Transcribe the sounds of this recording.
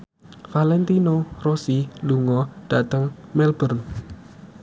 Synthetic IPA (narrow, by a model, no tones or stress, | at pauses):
falɛnt̪inorosiluŋɔɖ̥at̪əŋmɛlbərn